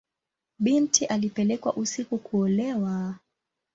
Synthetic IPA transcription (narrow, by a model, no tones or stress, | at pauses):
ɓintiʔalipɛlɛkwa̰ʔusikukuɔlɛwa